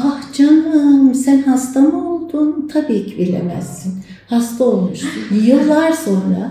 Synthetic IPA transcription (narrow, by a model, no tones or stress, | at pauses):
ahd͡ʒanɯmsænhast̪ʰamɯo̞lˠd̪unt̪ʰabiːcʰibiɾlʲḛmæ̰z̥ːin | hast̪ʰaolˠmuʃjɯlˠːaɾso̞nɾa̰